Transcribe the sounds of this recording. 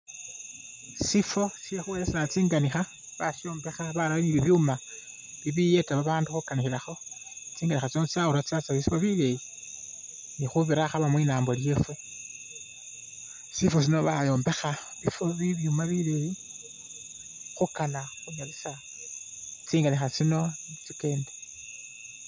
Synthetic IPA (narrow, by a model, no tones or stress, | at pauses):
sifo̞siexuwelesinat͡siːŋɡanixa | βaʃo̞ːmbe̞xaβaɾaβaniβiβjuma | βiβije̞taβaβaːnduxukanixilaxo̞ | t͡siːŋɡanixat͡snot͡sauɾat͡sat͡saβisifoβileji | nixuβiɾaxaβamwinaːmbo̞lje̞fe | sifo̞s̬ino̞βajo̞ːmbe̞xaβifo̞βiβjumaβileji | xukanaxuɲaβisao | t͡siːŋɡanixat͡sino̞nit͡sike̞ːnde̥